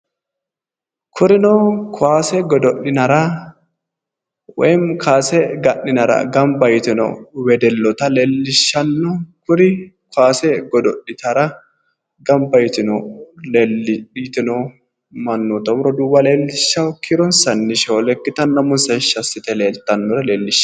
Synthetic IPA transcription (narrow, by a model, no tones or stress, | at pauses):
kʰʊɾɪnɔkʰʊaːsɛɡɔd̪ɔʔɪnɐɾɐ | wɛmkʰaːsɛɡɐʔːɪnɐɾɐ̰ɡɐmbɐjt̪ɪnɔ̰wɛd̪ɛlːɔt̪ɐleːlːɪʃːɐnːɔkʊɾɪkʊaːsɛɡɔd̪ɔʔɪt̪ɐɾɐ | ɡɐmbɐjɪt̪ɪnɔlelɪɗiːt̪ɪnɔ | mɐnːɔt̪ɔmɾɔd̪uːbɐleːlːɪʃːɐwkʰɪɾɔnsɐnːɪʃolɛkːɪt̪ɐnːɐmʊnsɐʃːɐsːɪt̪ɛleːlt̪ːɐnːɔɾɛleːlːɪʃ